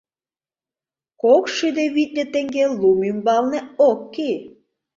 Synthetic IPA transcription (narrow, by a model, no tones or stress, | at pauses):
kokʃyd̪eβit̪̚nʲet̪eŋɡelumymbɑlnĕokːe